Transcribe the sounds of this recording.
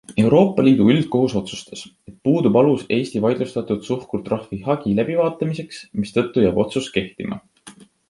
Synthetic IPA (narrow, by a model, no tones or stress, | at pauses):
e̞wɾo̞ːpˑːɑliːd̪̥uyld̪̥̚ko̞ɦuso̞t̪su̥st̪e̞se̞t̪̚puːd̪̥ubɑluse̞ːst̪ivɑjd̪lust̪ɑt̪ˑud̪̥suhkurt̪rɑhvihɑɡ̥ilæb̥ivɑːt̪ːˑɑmise̞ksmist̪ɤ̞t̪ˑːujɑːbo̞t̪suske̞ht̪imɑ̰